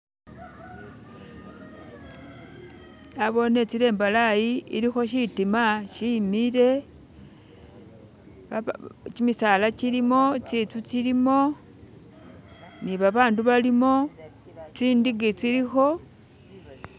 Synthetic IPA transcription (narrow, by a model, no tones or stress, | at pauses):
aβo̞ne̞t͡siɾe̞ːmbalajiḭɾixo̞ʃ̬itimaʃimiɾe̞ | t͡ʃimisalacilimo̞t͡sit͡sut͡silimo̞ | niβaβaːnduβalimo̞ | t͡siːndiɡit͡siɾixo̞